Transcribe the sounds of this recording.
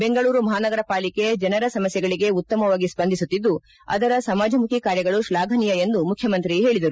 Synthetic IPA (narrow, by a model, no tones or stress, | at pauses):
be̞ŋɡɐɭuːɾumɐɦaːnɐɡɐɾɐpaːlike̞d͡ʒɐnɐɾɐsɐmɐsjɐɡɐɭiɡe̞ut̪ːɐmɐʋaːɡisbɐnd̪ʱisut̪ːid̪ːu | ɐ̰d̪ɐɾɐsɐmaːd͡ʒʱɐmukʰikaːɾjɐɡɐɭuʃlaːɡʱɐnijɐe̞nd̪umukʰːjɐmɐnt̪ɾiɦe̞ːɭid̪ɐɾu